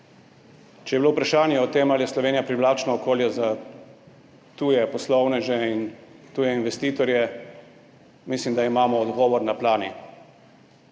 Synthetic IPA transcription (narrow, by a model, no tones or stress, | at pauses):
t͡ʃɛjɛbilowupɾaʃaːnjɛɔt̪emaljɛslɔʋeːnjapɾiʋlaːt͡ʃnɔːkoːljɛza | t̪uːjɛpɔslɔwnɛʒɛint̪uːjɛinʋɛst̪iːt̪ɔɾjɛ | mislimd̪aimaːmɔːd̪ɡɔːʋɔɾnaplaːni